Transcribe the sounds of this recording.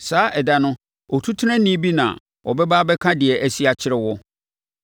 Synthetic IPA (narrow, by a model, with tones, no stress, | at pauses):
saː˨˦ʔɛ˨da˨nʊ̃˦ | ɔ˨tʰu˦tʰɛ̃˦nĩ˦bi˦nã̰˨ | wɔ̰˨bɛ˦baː˦bɛ˦kʰã˦dɪ˨ɛ˨ʔæ˨si˦a˨t͡ɕʰɪ˦ɾɛ˦wɔ˦